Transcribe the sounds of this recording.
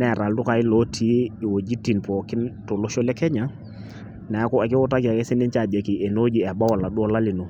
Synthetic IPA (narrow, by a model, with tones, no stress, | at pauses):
nɛ˦˨ɾa˨ldʊ˦ka˨ɪ˦lɔ˨˦tʰi˦ɪ˨wo˨d͡ʒi˦ti˨npɔ˨kɪ˦nto˨lo˦ʃɔ˦lɛ˦kɛ˦ɲa˨ | nɛ˨˦kɔ˦ɛ˨kɪ˦wʊ˦ta˦ki˨a˨kɛ˦sɪ˦nɪ˦nt͡ʃa˨bɛ˨ki˨ɛ˨no˦d͡ʒi˨ɛ˨ba˦wɔ˨la˨du˦ɔ˦la˦lɪ˨no˨